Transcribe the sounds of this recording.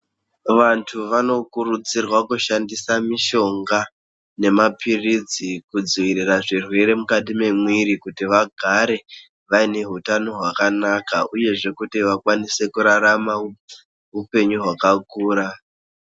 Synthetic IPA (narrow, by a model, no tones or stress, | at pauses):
ʋantʰuʋano̞kurud͡zirwakuʃandisamiʃo̞ŋɡa | ne̞mapirid͡zikud͡ziʋiriraʐirwe̞ɾe̞mukat̬ime̞mwiɾikutiʋaɡʱaɾe̞ | ʋaine̞ɦutano̞ɦwakanakauje̞ʐe̞kutiʋakwanise̞kuɾaɾamau | ɦupe̞ɲuɦwakakuːɾa